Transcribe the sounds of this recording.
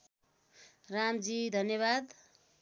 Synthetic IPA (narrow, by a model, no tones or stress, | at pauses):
ramd͡zid̪ʱʌnjʌβad̪